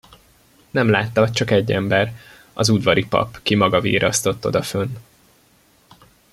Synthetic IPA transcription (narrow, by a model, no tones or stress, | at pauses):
nɛmlaːt̪ːɒt͡ʃɒkɛɟːɛmbɛr | ɒzud̪vɒɾipɒ̰pkimɒɡɒvḭːɾɒst̪o̞t̪ːo̞d̪ɒfønː